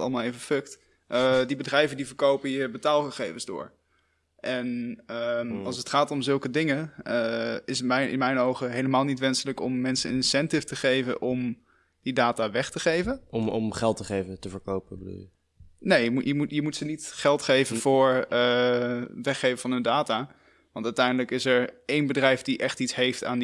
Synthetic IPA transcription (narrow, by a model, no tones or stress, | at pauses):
ɑ̰lˠmaːlˠejvəfɵkt | ʔədibədrɛjvəndivəɹkowpəjəbətaːlˠχəχejvənzdʊ̰ːɹ | ʔɛnəɑlˠsətχaːtɔmzɵlˠkədɪŋəəɪsmɛɪ̰nmɛjnowχəɦejləmaːlˠnitʋɛnsələkɔmːɛnsə̰nɪnsɛntɪftəχejvə̰nʔɔm | d̥idaːtaːʋɛχtəχejvənɔmɔ̰mχɛlˠtəχejvətəvəɹkowpəbədṵːlˠjə | nejəmujəmujəmutsənitχɛlˠtχejvəvʊːɹə | ʋɛχejvəvɑnɦɵndaːtaː | ʋɑntœɥtɛjndələkɪsɛɹejnbədrɛjfdiʔɛχtitsɦejfta̰ːn